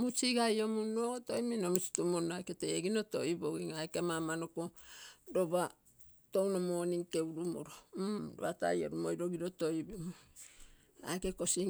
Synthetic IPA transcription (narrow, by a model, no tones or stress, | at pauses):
mut͡ʃiɡajomunoto̞jminomit͡ʃi̥tumonajketeɡino̞to̞̰jiboɡiŋajkemamanokodo̞βa | to̞wnomo̞ːniŋke̞wuɾumo̰ɾomɾoβata̰jo̰ɾumo̰jɾo̞ɡiɾoto̞jbimu | a̰jkeko̞si